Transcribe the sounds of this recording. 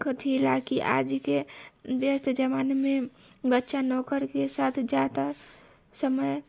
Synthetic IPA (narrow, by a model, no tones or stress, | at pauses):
kʰt̪ʰilaːkiʔa̰ːd͡ʒkebjəst̪d͡ʒəmaːnmẽbətːʃanɔːkəɾkesaːt̪ʰd͡ʒaːt̪a | səməj